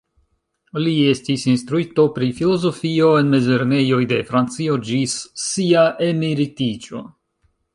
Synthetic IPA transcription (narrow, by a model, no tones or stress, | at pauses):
lie̞stisinstɾuito̞pɾifilo̞zo̞fio̞e̞nme̞ze̞ɾne̞jo̞jde̞fɾant͡sio̞d͡ʒisːiaʔemiɾitit͡ʃo̞̰